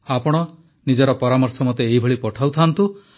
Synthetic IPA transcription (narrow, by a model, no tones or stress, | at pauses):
apɔɽ̃ɔ | nid͡ʒɔɾɔpɔɾamɔɾsɔmɔt̪eːibʱɔɭipɔʈʰawt̪ʰant̪u